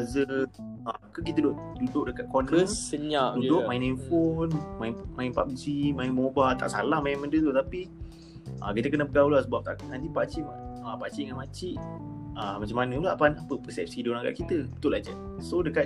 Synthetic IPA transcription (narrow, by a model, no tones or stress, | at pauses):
azəakək̬it̪ədʊʔdudʊʔdəkat̪̚konənəɲaʔduidʊʔmajɪninfonmaɪnmaɪnpa̰p̚zimaɪnmobalt̪a̰ʔsa̰lahmainməndət̪ut̪api | ʔa̰kit̪əkənəpəɡaulasəbap̚t̪aknãnt̪̬ipaʔt͡ʃimaapaʔt͡ʃiʔəŋanmat͡ʃiʔamat͡ʃamːanə̃ulaʔapanapəpəsɛp̚sidonaɡa̰ʔkit̪əbət̪ʊʔlʔad͡ʒa | sodəkat̪̚